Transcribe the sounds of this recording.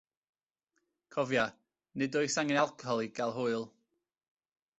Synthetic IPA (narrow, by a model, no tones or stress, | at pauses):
kʰɔvja | nɨdʊɨsaŋɪnalˠkʰɔlˠiɡalˠɦʊɨlˠ